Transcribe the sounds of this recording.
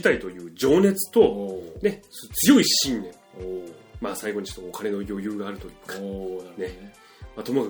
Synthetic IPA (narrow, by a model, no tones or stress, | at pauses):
t̪ait̪o̞jɯ̟ːd͡ʑo̞ːne̞t͡sɨ̥t̪o̞ne̞sot͡sɨjo̞iɕĩnːẽ̞ŋ | maːsaiɡo̞ɲ̟it͡ɕot̪ːookane̞no̞jo̞jɯ̟ːɡaːɾɯ̟t̪o̞jɯ̟ːkḁne̞ | mat̪o̞moka